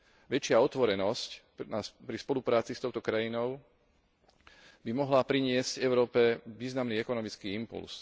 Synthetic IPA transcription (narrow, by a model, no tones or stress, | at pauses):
ʋɛt͡ʃɪaɔt̪ʋɔɾɛnɔsc | napɾispɔlupɾaːt͡sist̪ɔʊt̪ɔkɾajinɔʊ | bimɔɦlapɾiɲɪɛscɛʊɾɔːpɛʋiːznamniːɛkɔnɔmit͡skiːimpṵls